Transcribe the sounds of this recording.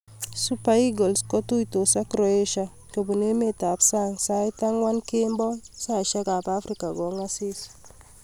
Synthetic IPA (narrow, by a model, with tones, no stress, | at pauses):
su˦pa˦i˦ɡɔ˨lskɔ˦tu˦ito˨sa˦kɾɔ˦e˦ʃa˨ | ke˨bu˨ne˦me˦ta˨psa˦ŋsa˦jta˦ŋwa˦nke˦mbɔ˦sa˦˨ʃa˦ka˨pa˦fɾika˨kɔ˦ŋa˦si˦s